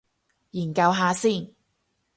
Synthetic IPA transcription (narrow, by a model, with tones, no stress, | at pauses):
jiː˨˩nkɐ˧wɦaː˨˧siː˥˩n